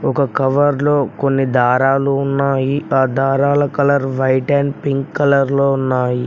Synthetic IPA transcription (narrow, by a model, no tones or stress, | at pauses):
ɔkɐkɐʋɐɾlo̞ːkonːid̪ʱaːɾaːluunːaːjiaːd̪ʱaːɾaːlɐkɐlɐɾʋɐjʈɐnpiŋkːɐlɐɾloːunːaːji